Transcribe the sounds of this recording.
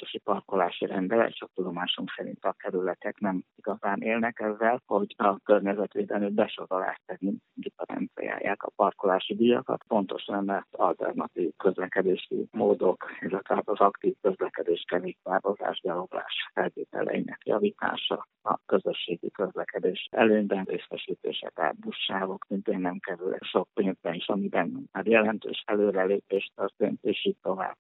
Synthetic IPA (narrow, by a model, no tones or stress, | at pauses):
t̪oʃipɒrkolaːʃiɾɛnd̪ɛlɛ̰ʃok̚t̪ud̪o̞maːʃumsɛɾḭnt̪ɒkɛɾylɛt̪ɛknɛmiɡɒzaːnʔeːlnɛkɛzːɛlho̞ɟɒkø̞rɲɛzɛt̪ʋeːd̪ɛlmibɛʃoɾola̰ːʃt̪ɛɡint̪ɡipɛɾɛ̰nt̪sḭja̰ːja̰ːkɒpɒrkolaːʃid̪ijɒkɒ̰t̪po̞nt̪o̞ʃnɛmːɛt̪ɒlt̪ɛ̰rnɒt̪iːvkø̞zlɛkɛd̪eːʃḭmoːd̪o̞kɛlɛt̪ɛlaːt̪ɒzɒkt̪iːvkø̞zlɛkɛd̪eːʃkɛveːkvaːɾoza̰ːʒbɛlobla̰ːʃfɛlt̪eːt̪ɛ̰lɛ̰jḭnɛ̰kjɒ̰vit̪a̰ːʃɒ | ɒ̰køzøʃːeːɡikøzlɛkɛd̪eːʃɛløːɲbɛnreːsfɛʃiːt̪ḛːʃɛ̰ka̰ːt̪̚buʃːaːvoksint̪eːnːɛmkɛɾylɛ̰ʃo̞k̚peːnzbɛniʃɒmibɛnaːrjɛlɛnt̪ø̰ːʃɛløːɾɛleːpeːʃt̪ørt̪eːnt̪eːʃiːtt̪ːo̞va̰ːb